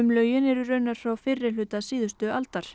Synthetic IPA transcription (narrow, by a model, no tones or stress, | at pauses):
ʏmlœːɥjɪnɛɾʏrœɥnaɾ̥fɾawfɪrːɪlʏːt̪asiːðʏst̪ʏalt̪aɾ̥